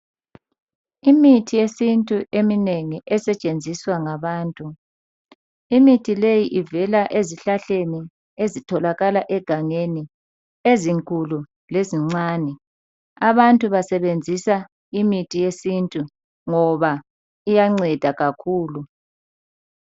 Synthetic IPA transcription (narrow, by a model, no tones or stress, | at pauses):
imitʰijesintʼuʔemineŋiʔɛsɛt͡ʃʼend͡zʱiswaŋaβaːntʼu | imitʰilejiʔivɛlaʔeziɬaɬeni | ezitʰɔlaɣalaʔɛɡ̥ʱaŋeni | eziŋkʼulu | leziŋ͡ǀaːnɛ | aβantʼuβasɛβend͡zʱisa | imitʰʼijesintʼu | ŋɔβa | ijaŋ͡ǀɛd̥ʱaɣakʰuːlu